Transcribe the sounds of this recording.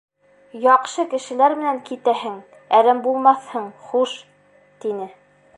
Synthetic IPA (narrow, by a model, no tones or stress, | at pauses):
jɑqʃɤkɘ̆ʃɘ̆læɾmɘ̆næŋkit̪æɦɘŋ | æɾæmbulˠmɑθhɤɴχuʃ | t̪inɘ